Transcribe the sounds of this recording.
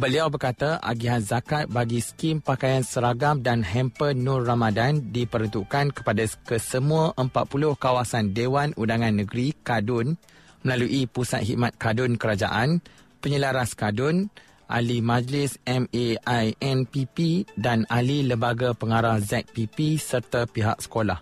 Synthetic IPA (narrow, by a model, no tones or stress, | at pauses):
bəliawbərkat̪aʔa̰ɡiɦanzakat̪̚baɡiskimpakajansəɾaɡamdanɦɛmpənʊrːamãdandipəɾənt̪uʔkankə̥padakəsəmũaʔəmpat̪̚pulʊhkawasandewanundaŋãnːə̃ɡɾikadʊn | məlaluʔipusa̰t̪̚hiʔ̚mat̪̚kadʊnkəɾad͡ʒa̰ʔan | pəɲəlaɾaskadʊn | ʔa̰limãd͡ʒlɪsɛmeajɛnpipidanaliləmbaɡapəŋaɾahzɛk̚pipisərt̪apiɦa̰ʔ̚sə̥kolah